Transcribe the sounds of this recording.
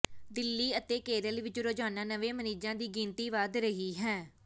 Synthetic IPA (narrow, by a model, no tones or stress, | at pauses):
d̪ɪlːiːət̪eːkeːɾəlʋɪt͡ʃɾoːd͡ʒaːnaːnəʋẽːməniːd͡ʒãːd̪iːɡiːnt̪iːʋaːd̪ɾəɦiːɦɛ̃ː